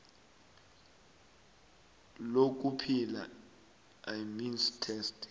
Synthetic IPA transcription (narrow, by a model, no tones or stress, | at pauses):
lok̬ʼupʰila̰ | ajminstʰɛst